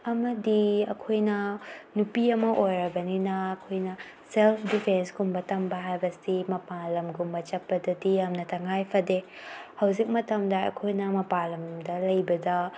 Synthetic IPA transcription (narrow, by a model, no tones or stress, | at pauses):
ɐmɐdiɐ̰kʰojnɐnupiɐmɐʔojɾɐbɐninɐːkʰojnɐ | selpʰdipʰensɡumbɐtɐmbɐɦajbɐsimɐpalɐmɡumbɐt͡ʃɐpːɐdɐdiɐmnɐtʰɐŋajpʰɐde | hɐwzik̚mɐtɐmdɐɐ̰kʰojnɐmɐpalɐmdɐlɐjbɐdɐ